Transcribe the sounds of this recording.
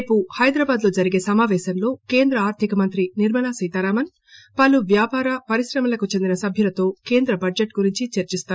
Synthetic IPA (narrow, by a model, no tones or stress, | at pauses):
puhɐjd̪ɾɐːbaːd̪lo̞ːd͡ʒɐɾiɡe̞ːsɐmaːʋɛːʃɐnlo̞ːke̞ːnd̪ɾɐaːɾt̪ʰikɐmɐnt̪ɾiniɾmɐlaːsiːt̪aːɾaːmɐn | pɐlːuʋjaːpaːɾɐpɐɾisɾɐmɐlɐkut͡ʃend̪inɐsɐbʱjɐlɐt̪o̞ːke̞ːnd̪ɾɐbɐd͡ʒeʈɡuɾiɲt͡ʃit͡ʃɐɾt͡ʃist̪aː